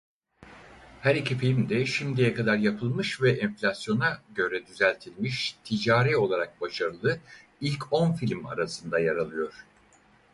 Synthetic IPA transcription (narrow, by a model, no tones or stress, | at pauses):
hæɾicʰifilʲmd̪ɛʃimd̪ejɛkad̪aɾjapʰɯlˠmɯʃvɛʔɛnflʲasjo̞naɟø̞ɾɛd̪yzælʲt̪ʰilʲmiʃt̪ʰid͡ʒaːɾɛo̞lˠaɾak̚baʃaɾɯlˠɯ | ilʲcʰo̞nfilʲma̰ɾasɯnd̪ajaɾalˠɯjo̞ɾ̥